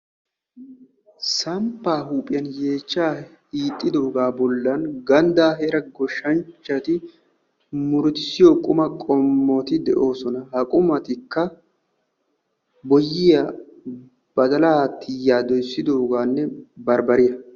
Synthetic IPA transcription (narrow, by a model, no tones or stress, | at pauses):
sɐmpːaːhuːpʼɪjɐnje̞ːt͡ʃːaː | hiːt̪ʼːɪd̪o̞ːɡaːbɔlːɐnɡɐnd̪aːɦeɾɐɡɔʃːɐnt͡ʃːɐt̪ɪ | mʊɾʊt̪ɪsɪjoːkʼʊmɐkʼɔmːoːt̪ɪd̪ɛʔo̞ːsɔnɐhɐkʼʊmɐt̪ɪkːɐ | bɔjːɪja | b̥ɐd̪ɐlaːt̪ʰːɪjːaːd̪ɔjsːɪd̪o̞ːɡaːnːɛbɐɾbɐɾɪjɐ